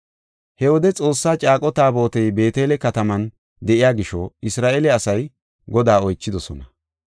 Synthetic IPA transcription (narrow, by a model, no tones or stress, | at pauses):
hɛwɔd̪ɛt͡sʼo̞ːsːaːt͡ʃʼaːkʼɔt̪aːbo̞ːt̪ɛjbe̞ːt̪e̞ːlɛkɐt̪ɐmɐn | d̪ɛʔɪjaːɡɪʃɔɪsɾaːʔelɛɐsɐj | ɡɔd̪aːɔjt͡ʃːɪd̪ɔsɔnɐ